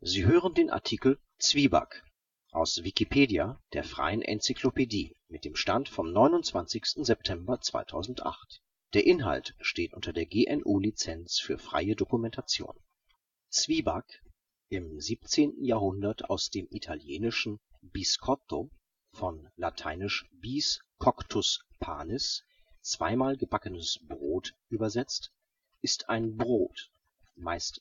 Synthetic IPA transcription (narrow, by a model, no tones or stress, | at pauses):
ziːɦøːʁəndeːnʔa̰ɐtʰiːkl̩ | t͡sv̥iːba̰k | ʔaʊsv̥ikipʰeːdjad̥eːɐfʁ̥a̰ɪənʔɛ̰nt͡siklopʰediː | mɪt̚d̥eːmʃtantfɔmnɔʏnʊnt͡sv̥ant͡sɪçstn̩zɛp̚tʰɛmbɐt͡sv̥a̰ɪtʰaʊzn̩tʔa̰χt | d̥eːɐʔɪnɦa̰ltʃteːtʔʊntɐdeːɐɡeːʔɛnʔuːlit͡sɛnt͡sfyːɐfʁ̥a̰ɪədokumɛntat͡sjo̰ːn | t͡sv̥iːbak | ʔɪmziːpt͡seːntn̩jaːɐɦʊndɐta̰ʊsd̥eːmʔitʰaljeːnɪʃn̩biskʰɔto | fɔnlatʰa̰ɪnɪʃb̥iːskʰɔktʰʊspʰa̰ːnɪs | t͡sv̥a̰ɪmaːlɡəbakənəsb̥ʁoːtʔyːbɐzɛt͡st | ʔɪstaɪnbʁoːt | maɪst